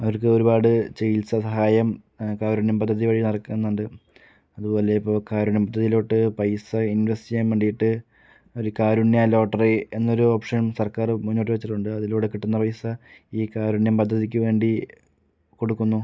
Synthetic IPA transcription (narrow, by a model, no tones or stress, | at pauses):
ɐʋɐrkɨo̞ɾubaːɽɨt͡ɕejilsɐsɐɦaːjɐm | kaːɾuɳjɐmpɐd̪ʱːɐðiʋɐɻinɐɽɐkːenːuɳɖɨ | ɐðubo̞ːle̞ipːo̞ːkaːɾuɳjɐmpɐd̪ʱːɐðijiloːʈːɨpɐjsɐinʋɐstiɐmːeɳɖijiʈːɨ | o̞ɾukaːɾuɳjɐlo̞ːʈːɐrie̞nːoɾuoːpʂɐɳmsɐrkaːrmuɲːoːʈ̬ːiʋɐt͡ɕːiʈːuɳɖɨɐðiluːɽekiʈːunːɐpɐjsɐiːkaːɾuɳjɐmpɐd̪ʱːɐðik̬ʲːɨʋe̞ːɳɖi | ko̞ɽukːunːu